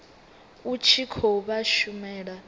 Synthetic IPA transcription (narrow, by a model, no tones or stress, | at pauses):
ut͡ʃʰikʰoβaʃumɛːɺa